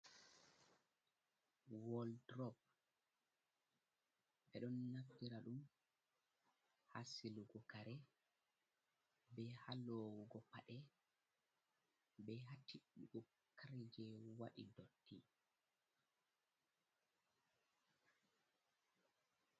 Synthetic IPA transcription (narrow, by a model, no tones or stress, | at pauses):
wɔldɾɔb̚ | ɓɛɗɔnːaftiɾaɗum | ha̰siluɡɔkaɾɛ | bɛhalɔwuɡɔpaɗɛ | bɛɦatːiuɡɔ | kʰaɾid͡ʒɛwa̰ɗḭdotːi